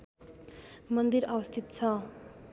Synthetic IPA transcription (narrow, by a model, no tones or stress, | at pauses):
mʌnd̪iɾʌbʌst̪ʰit̪t͡sʰʌ